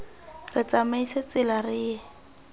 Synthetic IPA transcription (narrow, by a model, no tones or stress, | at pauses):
rɪt͡samaiset͡sɪlarɪːɛ